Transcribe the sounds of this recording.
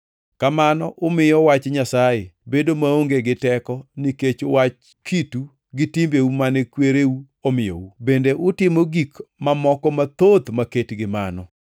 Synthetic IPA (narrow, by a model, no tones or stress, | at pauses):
kamanɔʔʊmɪjɔwat͡ʃɲasajebedomaoŋɡeɡɪtɛkɔniket͡ʃowat͡ʃ | kʰitu | ɡɪtimbeumanɛkweɾeu | omɪjɔ̰ubendeʔʊtɪmoɡikmamɔkɔmat̪ot̪maketɡɪma̰nɔ̰